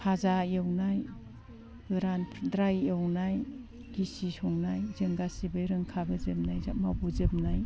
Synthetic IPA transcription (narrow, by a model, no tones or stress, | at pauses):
pʰazajɯwnaj | ɡɯɾanpʰdɾajewnaj | ɡ̥isisɔŋnajzɯŋɡasibɯjɾɯŋkʰaɡɯzɯp̚najzakmabuzɯp̚naj